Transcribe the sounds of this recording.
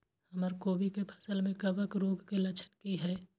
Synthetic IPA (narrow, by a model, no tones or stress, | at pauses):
hɐməɾkoːbikepʰɐ̥səlmẽkəbəkɾoːɡkelɐt͡ʃʰənkiɦɛː